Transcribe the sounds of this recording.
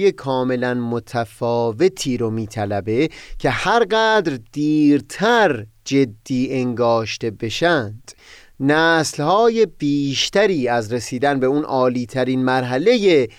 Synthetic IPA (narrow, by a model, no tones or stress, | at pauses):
je̞kʰɒːme̞lænmot̪ʰæfɒːve̞t̪ʰiːɾomiːt̪ʰælæbe̞cʰe̞hæɾɢæːd̪ɾd̪̥iːɾt̪ʰæɾd͡ʒe̞d̪ːiːe̞ŋɡɒːʃt̪e̞be̞ʃænd̪̥ | næːslhɒːje̞b̥iːʃt̪æɾiːæzɾe̞siːd̪ænbe̞unʔɒːliːt̪ʰæɾiːnmæɾɦæle̞je